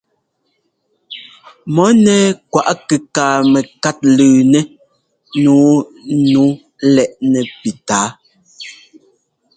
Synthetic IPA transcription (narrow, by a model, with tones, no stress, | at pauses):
mɔ˨˦nɛː˦kwa˨ʔkɛ˨kaː˨mɛ˨ka˦t̚lʉː˨nɛ˦ | nuː˨˦nu˨˦ | lɛ˦˨ʔnɛ˨pi˨taː˨˦